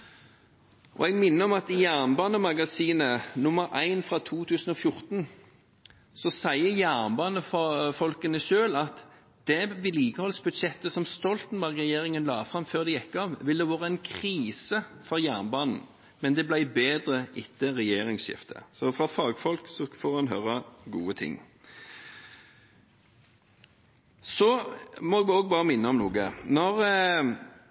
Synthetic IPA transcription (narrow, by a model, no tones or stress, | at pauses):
ʔɔ̰ɛɡmɪnːəɔmɑt̪ɪjæʁnbɑːnəmɑɡɑsiːnənʊmːəɾæɪnfʁɑt̪ʰuːt̪ʰʉːsn̩ɔfjʊɾt̪n | sɔsæɪəjæʁnbɑːnəfɔfɔlkənəʃøːlɑt̪ | d̪̥ɛʋɪliːkəhɔlsbʉd̪ʃɛt̪ːəsɔmst̪ɔlt̪n̩bæʁɡʁɛjeːʁɪŋənlɑːfʁɑmføːʁd̪ɛjɛkːɑʋʋɪld̪ɛʋoːʁəɛɪnkʰʁiːsəfɔʁjæʁnbɑːnn̩ | mɛnd̪ɛblæɪbeːd̪ʁəʔɪt̪ːəʁɛjeːɾɪŋsɕɪ̰ft̪ʰə̰sɔfʁɑfɑːɡfɔlksɔfoːʁhɑnɦøːɾəɡṵːət̪ʰɪ̰ŋ | sɔmɔɛɡoːɡ̚bɑːʁəmɪnːəɔmnuːɡənɔʁ